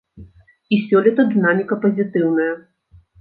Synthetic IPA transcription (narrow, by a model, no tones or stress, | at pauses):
isʲɔlʲɛt̪ɐd̪ɨnamʲikɐpɐzʲit̪ɨwnɐjɐ